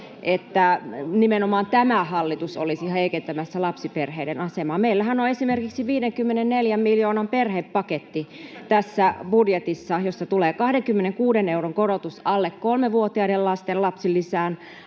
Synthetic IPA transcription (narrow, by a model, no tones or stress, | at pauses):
ʔet̪ːænimenomɑːnt̪æmæhɑlːit̪uso̰lisiheikent̪æmæsːælɑpsiperheidenɑsemɑːmeilːæhænoesimerkiksiʋiːdeŋkymːenenneljæmmiljoːnɑmperheppɑket̪ːit̪æsːæbudjet̪isːɑjosːɑt̪uleːkɑhdeŋkymːeneŋkuːdeneuɾoŋkoɾot̪usɑlːekkolmeʋuot̪iɑiɾellɑst̪ellɑpsilːisæːn